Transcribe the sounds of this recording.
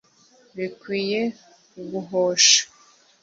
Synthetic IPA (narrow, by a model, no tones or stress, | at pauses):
βikwiːje̞ | uɡuɦoːʃḁ